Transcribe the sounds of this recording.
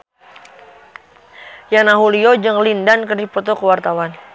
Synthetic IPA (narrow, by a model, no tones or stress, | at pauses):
janaɦuliod͡ʒɨŋlindankərdipɔt̪ɔkəwart̪awan